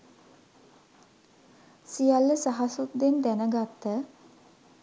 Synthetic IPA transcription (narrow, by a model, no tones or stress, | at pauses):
sijalːəsaɦasut̪d̪end̪ænəɡat̪ːə